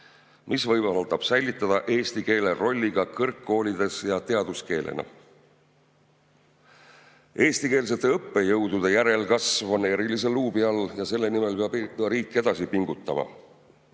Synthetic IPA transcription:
mʔisvɤjbɑlt̪ɑb̥sæjlit̪ːˑɑd̪̥ɑʔe̞ːsʲt̪ike̞ːle̞ro̞lʲːiɡ̥ɑkɤrkːo̞ːlid̪e̞sjɑt̪e̞ɑd̪̥uske̞ːlḛnɑ̰ | e̞ːst̪ike̞ːls̬e̞t̪ːˑe̞ɤpːe̞jɤwd̪̥ud̪̥ejæɾe̞lkɑsvɑneɾilis̬e̞lːuːbiɑljɑse̞lːe̞nime̞lpeɑbɾiːkːˑe̞d̪̥ɑsipiŋɡ̥ut̪ːɑmɑ̰

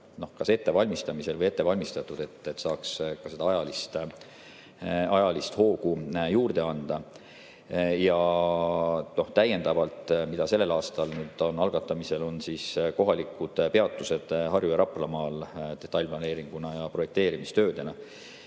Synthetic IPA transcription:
no̞hkɑse̞t̪ːe̞vɑlʲmist̪ɑmise̞lvəje̞t̪ːe̞vɑlʲmist̪ɑt̪ːˑud̪̥e̞t̪ːˑet̪ːsɑːkskɑse̞d̪ɑɑjɑlist̪ | ɑjɑlist̪ho̞ːɡujuːrd̪e̞ɑnd̪̥ɑ | jɑ | no̞ht̪æje̞nd̪̥ɑvɑlt̪ˑmid̪̥ɑse̞lːe̞lɑːst̪ɑlnyːd̪̥onɑlɡ̥ɑt̪ːˑɑmise̞lo̞nsiːsko̞ɦɑlikːud̪̥pe̞ɑt̪ːˑuse̞d̪̥ɦɑrjujɑɾɑplɑmɑːld̪̥e̞t̪ːˑɑjlʲplɑne̞ːɾiŋɡ̥unɑjɑpro̞je̞k̚t̪e̞ːɾimist̪ø̞ːd̪̥e̞nɑ

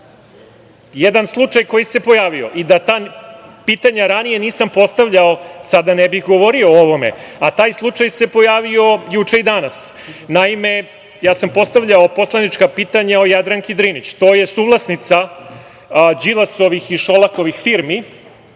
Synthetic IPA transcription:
jed̪anslˠut͡ʂajko̞jise̞po̞jaːʋio̞̰ʔid̪at̪aːpit̪aɲaɾanije̞niːsampo̞st̪aʋʎaosad̪anebixɡo̞ʋo̞ɾio̞oʋo̞me̞̰at̪aːjslˠut͡ʂajse̞po̞jaːʋio̞jut͡ʂe̞id̪anas | naime̞ | jaːsampo̞st̪aʋʎaopo̞slanit͡ʃkapiːt̪aɲaojad̪ɾaŋkid̪ɾinit͡ɕt̪o̞ːje̞suːʋlˠasnit̪sa | d͡ʑilaso̞ʋixiʃolˠako̞ʋixfiɾmi

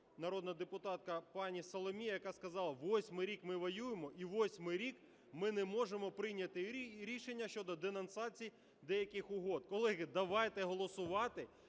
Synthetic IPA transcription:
nɐɾɔd̪nɐd̪epʊt̪ɑt̪̚kɐpɑnʲisɔlˠɔmʲijɐjɐkɑskɐzɑlˠɐʋɔsʲmɪjɾʲikmɪʋɐjujemɔʔiʋɔsʲmɪjɾʲik | mɪnɛmɔʒemɔpɾɪjnʲɐt̪ɪɾʲiʃenʲːɐʃt͡ʃɔd̪ɔd̪enɐnsɑt͡sʲij | d̪ɛjɐkɪxʊɦɔd̪kɔlˠɛɦɪd̪ɐʋɑjt̪ɛɦɔlˠɔsʊʋɑt̪ɪ

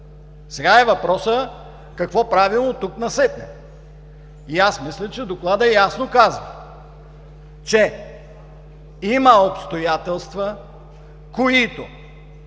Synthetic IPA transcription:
sɛɡaɛvɐpɾɔsə | kɐkvɔpɾavilˠnot̪uknɐsɛt̪nɛ̰ | iasmislʲət͡ʃɛd̪oklˠad̪ɐjasnokazvɐ | t͡ʃɛ | imɐopst̪ojat̪ɛlˠst̪və | koit̪o

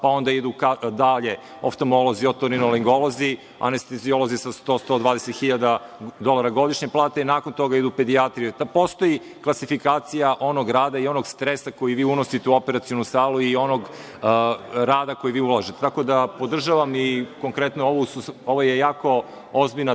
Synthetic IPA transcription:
pao̞nd̪aid̪ukad̪aʎe̞ | o̰ft̪o̞mo̞loziot̪oɾinoliŋɡolozi | a̰nest̪ezio̞lˠo̞zisast̪ost̪o̞d̪ʋaːd̪eset̪xiʎad̪ad̪o̞lˠaɾaɡo̞d̪iʃɲeplˠaːt̪einaːkont̪o̞ɡaid̪upe̞d̪iat̪ɾijut̪apo̞st̪o̞ji | klˠasifikaːt̪sijaʔo̞noɡɾaːd̪aio̞noɡst̪ɾesako̞jiʋiːuno̞sit̪euo̞peɾat̪sijo̞nusaːluio̞noɡ | ɾaːd̪ako̞jiʋiːulˠaʒit̪et̪ako̞d̪apo̞d̪r̩ʒaʋamiko̞ŋkɾe̞t̪nooʋosuoʋoje̞jaːko̞ | ozbiʎna

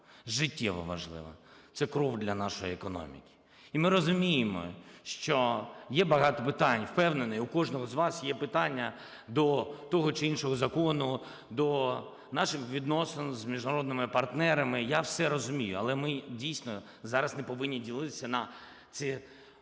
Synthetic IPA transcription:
ʒɪtʲːɛ̰ʋɔ̰ʋɐ̰ʒlˠɪ̰ʋɐ̰t̪sɛkɾɔwd̪lʲɐnɑʃɔjiekɔnɔ̰mʲḭkʲi̥ | imɪɾɔzʊmʲijɪmɔ̰ʃt͡ʃɔjɛbɐɦɑt̪ɔpɪt̪ɑnʲwpɛwnenɔjʊkɔʒnɔɦɔzʋɑsjɛpɪt̪ɑnʲːɐ | d̪ɔt̪ɔɦɔt͡ʃɪinʃɔɦɔzɐkɔnʊ | d̪ɔ | nɑʃɪxʋʲid̪nɔsenzmʲiʒnɐɾɔd̪̚nɪmɪpɐrt̪nɛɾɐmɪjawsɛɾɔzʊmʲijʊɐlˠɛmɪdʲijsnɔ | zɑɾɐsnɛpɔʋɪnʲːidʲilˠɪt̪ɪ̥sʲɐnɐ | t̪sɪ

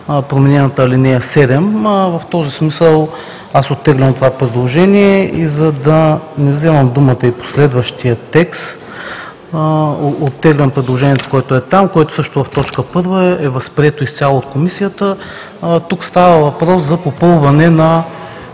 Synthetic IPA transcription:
pɾomɛnɛnət̪əɐlinɛɐsɛd̪ɛmvɐft̪ɔzismisəlˠ | asot̪ːɛɡlʲɐmt̪ovapɾɛd̪lˠoʒɛniɛizɐd̪ɐnɛvzɛvɐmd̪umət̪əipo̥slɛd̪vəʃt̪ijət̪ɛkst̪ | ot̪ːɛɡlʲɐmpɾɛd̪lˠoʒɛnijɛt̪o̥koɔɛt̪oɛt̪amkoɛt̪ʊ̥sɤʃt̪ʊvɐft̪ɔt͡ʃkəpɤɾvəɛvɐspɾʲiɛt̪oist̪sʲalˠoːt̪̚komisijət̪ə | t̪ukst̪avəvɐpɾɔszɐpopɤlˠvɐnɛnɐ

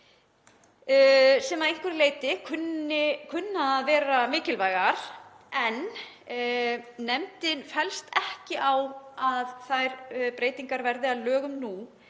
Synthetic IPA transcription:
sɛmaðejŋ̥kvʏɾleːjt̪ɪkʰʏnɪkʰʏnːaðvɛːɾamɪːcɪlvaːjɣaɾ̥ | ɛn | ɛmt̪ɪnfɛlst̪ɛhcɪʔawaðθajɾpɾeːjt̪iŋkaɾvɛɾðɪaðlœːɣʏmnu

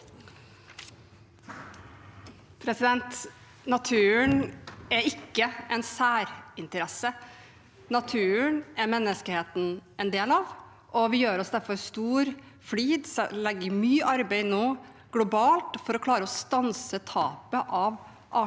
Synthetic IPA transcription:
pʰɾɛsɪd̪ɛnt̪ | nɑt̪ʰʉːəɳæɾɪkːəɛnsæːɾɪnt̪əɾɛsə | nɑt̪ʰʉːəɳæɾmɛnːəskəheːt̪n̩ʔɛnd̪eːlɑʋ | ʔɔʋɪjøːɾɔsd̪æɾfɔɾst̪uːɾ | fliːd̪sɛlɛɡːəɾmyːʔɑɾbɛɪnoː | ɡ̥lʊbɑːlt̪fɔɾɔkʰlɑːɾəɔst̪ɑnsət̪ʰɑːpəʔɑʋ | ʔɑ

